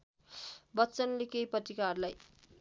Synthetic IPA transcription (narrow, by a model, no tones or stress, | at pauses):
bʌtːt͡sʌnlekejprʌt̪rikarlaj